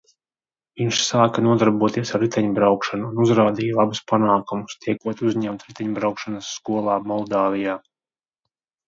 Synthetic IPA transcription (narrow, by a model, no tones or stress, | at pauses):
viɲʃsaːkanuɔd̪aɾbuɔt̪iɛsaɾːit̪ɛɲubɾawkʃanuːnuzɾaːd̪iːjalˠabuspanaːkumust̪iɛkuɔt̪uzɲɛmt̪ɾit̪ɛɲbɾawkʃanasːkuɔlˠɑːmɔlˠd̪aːvijaː